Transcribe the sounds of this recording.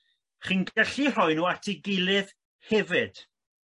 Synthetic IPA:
χiːnɡɛɬir̥ɔɨnuatʰiɡɪlˠɨð | hɛvɨd̥

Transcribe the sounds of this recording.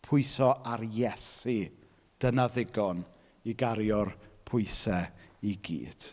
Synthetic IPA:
pʰʊɨsɔʔaɾjɛsi | d̥ənaðɪɡɔn | iɡaɾjɔrpʰʊɨsɛiɡḭːd̥

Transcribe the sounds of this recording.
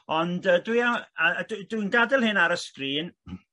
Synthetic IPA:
ɔndədwiaəddwinɡadɛlˠhɨnaɾəskriːn

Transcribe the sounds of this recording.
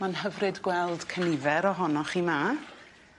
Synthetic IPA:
manɦəvrɨdɡwɛlˠd̥kʰənɪvɛɾɔɦɔnɔχima

